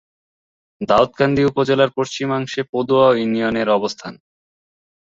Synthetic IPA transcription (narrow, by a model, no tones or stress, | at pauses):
d̪aot̪ɡand̪ʱiupod͡ʑelaɾpoʃt͡ɕimaŋʃepod̪uaounioneɾɔbost̪ʰan